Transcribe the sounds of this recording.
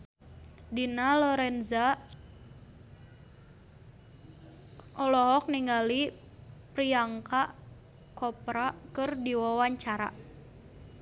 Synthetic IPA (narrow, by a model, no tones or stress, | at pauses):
dinalɔɾɛnza | ɔlɔɦɔk̚niŋɡali | pɾiaŋkaʔ | kɔpɾakɨrdiwawaɲt͡ʃaɾa̰